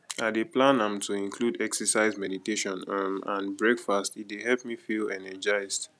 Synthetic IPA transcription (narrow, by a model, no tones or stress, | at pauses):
adeplãnãmtʰuĩnkʰludɛksəsaɪzmɛditeʃɔ̃namã̰nbɹɛkfastit̚deɦɛlpmifilɛnɛd͡ʒaɪzd